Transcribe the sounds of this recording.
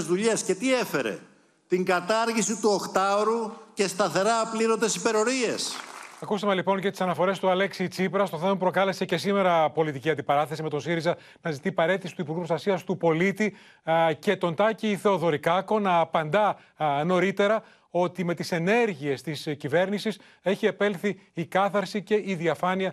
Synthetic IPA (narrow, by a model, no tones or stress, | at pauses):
zðuʎesce̞t̪ie̞fe̞ɾḛ | t̪iŋɡɐt̪ɐɾʝisit̪uo̞xt̪ɐoɾuce̞st̪ɐθe̞ɾɐːpliɾo̞nd̪esipe̞ɾo̞ɾie̞sɐkust̪emelipo̞ncet̪isɐnɐfo̞ɾe̞st̪uɐle̞ksit͡sipɾɐst̪o̞θemɐpɾo̞kɐle̞se̞ce̞sime̞ɾɐpo̞lit̪iciɐnd̪ipɐɾɐθe̞sime̞t̪o̞nsiɾizɐ | nɐzit̪ipɐɾe̞t̪isi̥t̪uipuɾɣupɾost̪ɐsiɐst̪upo̞lit̪i | ce̞t̪o̞nt̪ɐciːθe̞o̞ðo̞ɾikɐko̞nɐːpɐnd̪ɐ | no̞ɾit̪e̞ɾɐ | o̞t̪ime̞t̪ise̞ne̞ɾʝie̞st̪iscive̞ɾnisis | e̞çie̞pe̞lθiːkɐθɐɾsice̞iðiɐfɐniɐ